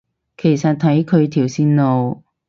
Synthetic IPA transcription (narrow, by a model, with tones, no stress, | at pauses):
kʰe˨˩jsɐ˨t̚t̪ʰɐ˨˥jkʰɵ˨˧ɥt̪ʰiː˨˩wsiː˧nlo˨w